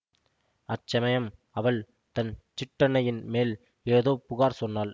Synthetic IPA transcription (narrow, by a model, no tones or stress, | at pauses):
ɐt͡ʃːɐmɐjɐm | ɐʋɐɭ | t̪ɐnt͡ʃɪʈːɐnɐjɪnmeːl | eːðoːpʊɣaːɾsɔnːaːl